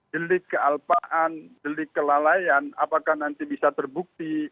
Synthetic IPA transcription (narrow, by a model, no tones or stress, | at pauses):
d͡ʒəlɪkːəalpaʔand͡ʒəlɪkːəlalajanapakahnant̪ibisat̪ərbuk̚t̪i